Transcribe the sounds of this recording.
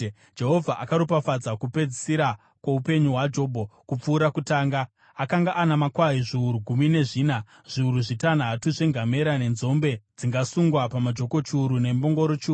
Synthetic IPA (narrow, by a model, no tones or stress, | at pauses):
d͡ʒe̞ɦo̞vʱaʔakaɾopafad͡zakupe̞d͡zisiɾa | kwoupe̞ɲuɦwad͡ʒo̞ːbʱokup͡fuːɾakutaːŋɡa | akaŋɡaʔanamakwaiʐiuɾuɡʱumine̞ʐiːna | ʐ̥iuɾuʐitanatuʐeŋɡʱame̞ɾane̞nzo̞mbe̞d͡ziŋɡasuŋɡwapamad͡ʒo̞ko̞t͡ʃuːɾune̞mbo̞ŋɡo̞ɾot͡ʃiuː